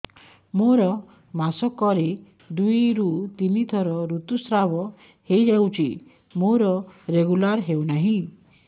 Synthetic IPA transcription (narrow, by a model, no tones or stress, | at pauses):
moɾɔ | masɔkɔɾi | d̪ujɾut̪init̪ʰɔɾɔɾut̪usɾabɔ | hejd͡ʒawt͡ʃʰi | moɾɔɾeɡulaɾɦewnaɦĩ